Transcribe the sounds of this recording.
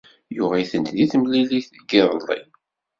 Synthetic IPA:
jʊʁæjθənt̪ðiθəmliliθ | ɡiɾˤlˤːḭ

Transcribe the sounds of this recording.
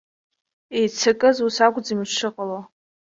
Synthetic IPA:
ejt͡sʰakʼɨzusaɡʷʼd͡zimʂʷʰɨqʼala

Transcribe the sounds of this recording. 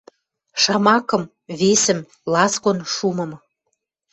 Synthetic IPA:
ʃɑmɑkɤ̆m | βesə̆m | lɑskonʃumɤ̆m

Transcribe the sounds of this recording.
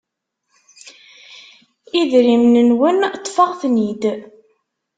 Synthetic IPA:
iðɾimnənwənt̪ˤːfəʁθnid̪

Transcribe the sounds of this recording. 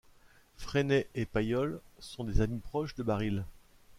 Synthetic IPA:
fχenɛʔepajɔlsɔ̃d̪ezamipχɔʃd̪əbaʁil

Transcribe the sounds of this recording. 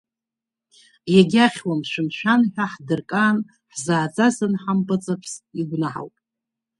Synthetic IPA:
jaɡʲaχʲwamʃʷɨmʃʷᶣanħʷᶣaħdɨrkʼaːn | ħzaːd͡zʼazɨnħampʼat͡sʼapʰsiɡʷnaħa̰wpʼ

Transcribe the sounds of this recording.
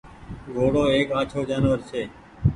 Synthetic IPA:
ɡoːɽoːeːkaːt͡ʃʰoːd͡ʒaːnʋəɾsʰeː

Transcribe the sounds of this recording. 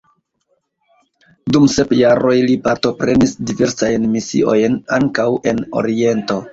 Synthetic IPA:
dumse̞pjaɾʔo̞jlipaɾto̞pɾe̞nisdive̞ɾsajnmisḭʔo̞jnaŋkawʔe̞no̞̰ɾie̞nto̞

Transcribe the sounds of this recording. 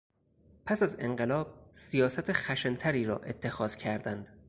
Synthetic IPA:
pʰæsæze̞ŋɢelɒːb̥̚sijɒːsæt̪ʰexæʃent̪ʰæɾiːɾɒ̰ːʔe̞t̪ʰːe̞xɒːz̥cʰæɾd̪ænd̪̥

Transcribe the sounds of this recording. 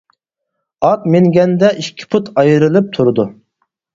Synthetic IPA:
ɑt̪meŋɡʲɛnd̪ɛʔiʃkʲʰi̥pʰut̪ʰɑjɨɾɨlˠɨp̚t̪ʰuɾɨd̪u

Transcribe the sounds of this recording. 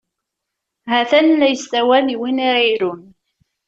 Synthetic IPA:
hæθænlæjəst̪æwæliwiniɾiɾun

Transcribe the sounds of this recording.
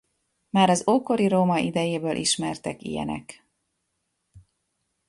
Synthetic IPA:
maːɾɒzoːko̞ɾiɾoːmɒʔid̪ɛjeːbøːlʔḭʃmɛrt̪ɛkḭjɛ̰nɛ̰k

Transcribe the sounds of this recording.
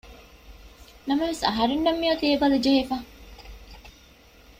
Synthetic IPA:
nɐmɐʋesɐɦɐɾinːɐmːijot̪eːbɐlɐd͡ʒehefa

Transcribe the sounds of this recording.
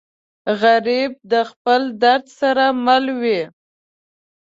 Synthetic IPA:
ɣaɾib̚d̪əxpəld̪aɾd̪saɾamalwi

